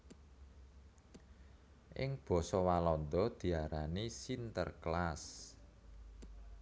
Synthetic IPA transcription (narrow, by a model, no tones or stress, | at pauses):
ʔɪ̰ŋb̥ɔ̤sɔwalɔnd̪ɔd̪̥i̤aɾanisint̪ə̰rklas